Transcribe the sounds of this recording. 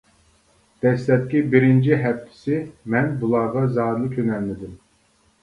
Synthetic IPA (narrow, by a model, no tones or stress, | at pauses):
d̪̥ɛslɛt̪̚kʲibɪɾɪnt͡ʃʰiɦɛft̪ʰːɪ̥sɪmɛnbulˠɑʁɑzɑːɾlˠɨkʲʰønɛlnɪd̪ɪm